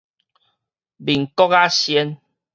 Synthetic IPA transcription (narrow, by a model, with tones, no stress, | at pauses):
bi˨ŋkɔ˦ka˦ɕjɛ˦n